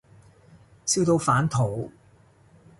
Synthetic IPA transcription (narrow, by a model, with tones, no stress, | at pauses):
siː˥wt̪o˧wfaː˨˥nt̪ʰo˨˩w